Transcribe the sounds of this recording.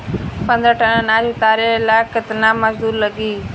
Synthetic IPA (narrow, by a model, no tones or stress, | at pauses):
pə̃nd̪ɾəʈʰənənaːlit̪aːɾelakət̪naːmad͡ʒd̪uːɾləɡiː